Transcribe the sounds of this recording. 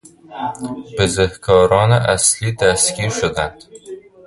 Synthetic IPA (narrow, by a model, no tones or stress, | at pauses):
pɪzɪhkʰɒɾɒnɪʔæslid̪æskʲiʃʊd̪ænd̪̥